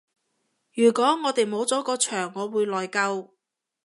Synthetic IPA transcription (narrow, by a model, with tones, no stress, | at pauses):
jyː˨˩kɔː˨˥ŋɔː˨˧t̪e˨jmo˨˧wt͡sɔː˨˥kɔː˧t͡ʃʰœː˨˩ŋːɔː˨˧wuː˨˧jlɔː˨˩jkɐ˧w